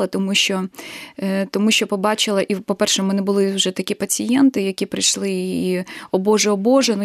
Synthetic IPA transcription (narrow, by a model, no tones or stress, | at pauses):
ɐt̪ɔmut͡ʃɔ | t̪ɔmuʃt͡ʃɔpɔbɑt͡ʃɪlˠɐʔipɔpɛrʃɛmɛnɪbʊlˠɪwʒɛt̪ɐkʲipɐt͡sʲɪjɛnt̪ɪjɐkʲipɾɪjʃlˠɪ | ɔbɔʒɛɔbɔʒɛnu